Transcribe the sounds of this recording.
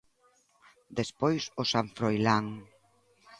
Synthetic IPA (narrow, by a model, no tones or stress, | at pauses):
d̪espojsʊsaɱfɾojlaŋ